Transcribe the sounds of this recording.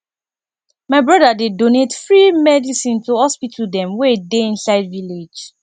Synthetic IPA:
maɪbɹɔdadedonetfɹimɛdisĩntohɔspitʰldɛ̃mwedeĩnsaɪdviled͡ʒ

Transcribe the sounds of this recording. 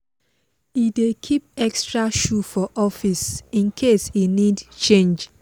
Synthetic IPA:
idekʰip̚ɛkstɹaʃufɔʔɔfisĩnkʰesinidt͡ʃẽnd͡ʒ

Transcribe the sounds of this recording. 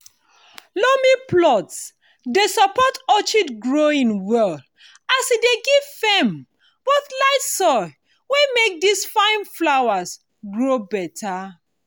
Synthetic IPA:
lomiplɔts | desɔpɔtɔt͡ʃitɡɹoĩnwɛl | asideɡiv̥fem | b̥oθlaɪtsɔɪ | wemek̚disfãɪ̃nflawas | ɡɹobɛtʰa

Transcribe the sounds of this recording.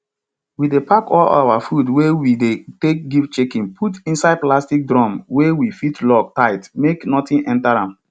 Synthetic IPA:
widepakɔla̰wafudwewidetek̚ɡif̚t͡ʃekĩnpʰutĩnsaɪd̚plastik̚dɹɔ̃mwewifitlɔk̚taɪtmeknɔtĩnʔɛ̃ntaɹãm

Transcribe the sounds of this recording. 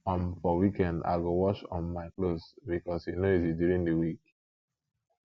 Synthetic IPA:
ɔ̃nfɔwikɛ̃nda̰ɪɡowɔt͡ʃɔ̰̃nmaɪklosbikɔsinoizidjuɹĩŋdəwik

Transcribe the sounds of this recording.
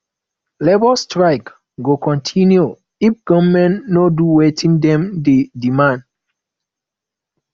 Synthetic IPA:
lebɔstɹaɪk | ɡokɔ̃ntʰĩnju | ifɡ̥ɔvmɛ̃nnoduwetʰĩndɛ̃mdedimãnd

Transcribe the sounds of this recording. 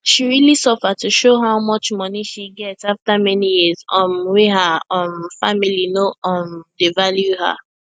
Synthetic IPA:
ʃiɹilisʌfətuʃoɦaʊmʌt͡ʃmʌniʃiɡɛtaftamɛnijizɔ̃mweɦəɔ̃mfamilinoɔ̃mdevaljuhə̰

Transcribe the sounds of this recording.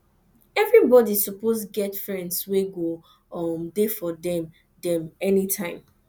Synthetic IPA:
ɛvɹibɔdissuposɡɛtfɹɛ̃ndsweɡo | ʌmdefɔdɛ̃m | dɛ̃mɛnitʰãɪ̃m

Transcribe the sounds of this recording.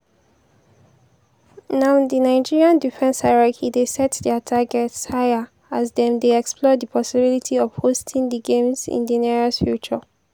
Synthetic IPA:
naʊdinaɪd͡ʒiɹiãndifɛ̃nsaɹɛkʰidesɛtdɛtʰaɡɛtshajə | azdɛ̃mdeɛkspʰlɔdipʰɔsibilitʰiɔv̥hostʰĩŋdiɡẽmzḭ̃ndiniɹɔsfjut͡ʃə

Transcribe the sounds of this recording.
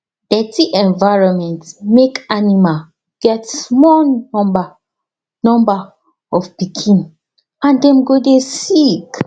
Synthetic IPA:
dɛtiʔɛ̃nvaɪɹɔ̃nmɛ̃ntsmekanimal | ɡ̥ɛtsmɔlɔ̃mba | nɔ̃mba | ɔfpikʰĩn | ãndɛ̃mɡodesik

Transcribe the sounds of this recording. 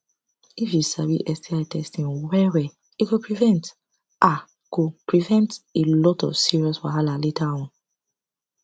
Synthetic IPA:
ifjusaɾḭʔɛstʰiajtɛstĩnwɛɹɛ | ikopɹivɛ̃nt | ʔa | kopɹivɛ̃ntelɔtɔ̰fsiɹiɔswaɦalaletawɔ̃

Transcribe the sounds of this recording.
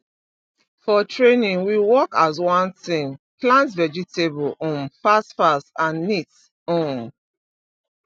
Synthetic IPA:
fɔtʰɹẽnĩŋwiwɔkazwãnθĩŋklãntvɛd͡ʒitebɔlɔ̃nfastfasãnːit | ɔ̃n

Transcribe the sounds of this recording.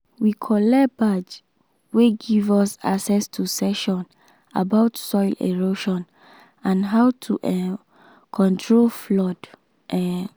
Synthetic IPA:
wikʰɔlɛbad͡ʒ | weɡivɔsa̰ksɛstʰusɛʃɔ̃n | a̰baʊtsɔɪlʔḛɹoʃɔ̃n | ãnɦawtʰuʔɛ | kʰɔ̃ntʰɹolflɔd | ʔɛ

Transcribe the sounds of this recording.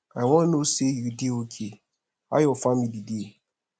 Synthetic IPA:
aɪwɔ̃nosejudeokʰe | a̰jɔfãmmidide

